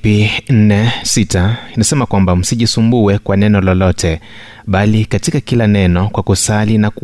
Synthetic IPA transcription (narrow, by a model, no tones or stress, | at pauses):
in̩nɛsitanasɛmakwambam̩siʄisumbuɛkwanɛnɔlɔlɔtɛ | ɓalikatikakilanɛnɔkwakusalinak